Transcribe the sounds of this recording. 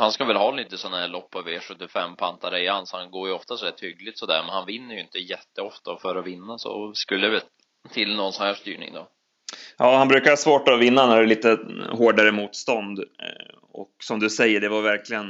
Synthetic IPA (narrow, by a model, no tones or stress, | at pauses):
hanskavɛlɦɑːliːt̪əsɔnːahæːɭɔpːaveːʂɵt̪ːɪfɛmːpʰant̪aɾəɪansɔhanɡoːɾjɔft̪asɔd̪æːʈʰhʏɡlɪt̪sɔd̪æ̰ːɾmɛnhanvɪnːəɾjɵɪnt̪əjɛt̪ːəɔft̪afœɾɔvɪnːasɔ̰skɵlːəvɛl | t̪ʰɪlːnɔnsɔnhæːʂt̪y̰ːɳɪ̰ŋd̪ɔ̰ | jʔɑːhanbɾʉ̟kaɾhɑsvoːʈɔvɪnːanæɖɛliːt̪əɦoːɖaɾəmuːt̪st̪ɔnd̪ | ɔ̰ksɔmd̪ɵsɛjːəɖɛvaɾvæɾklɪɡən